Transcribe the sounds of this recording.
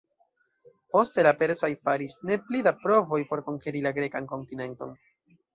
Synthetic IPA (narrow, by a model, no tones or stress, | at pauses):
po̞ste̞lape̞ɾsojfaɾisne̞plidapɾo̞vo̞jpo̞ɾko̞ŋkeɾilaɡɾe̞kanko̞ntine̞nto̞̰n